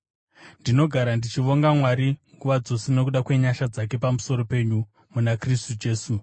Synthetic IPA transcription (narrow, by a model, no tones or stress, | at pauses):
ndino̞ɡʱaɾandit͡ʃiʋo̞ŋɡamwaɾiŋɡuʋad͡zo̞seno̞kuɗakwe̞ɲaʃad͡zake̞pamuso̞ɾo̞pe̞ɲu | munakristud͡ʒe̞ːsu